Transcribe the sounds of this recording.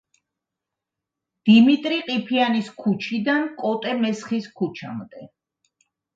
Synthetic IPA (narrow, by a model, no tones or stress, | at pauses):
d̪̥imit̪ʼɾiqʼipʰianiskʰut͡ʃʰid̪ankʼɔt̪ʼɛmɛsχiskʰut͡ʃʰa̰md̪ɛ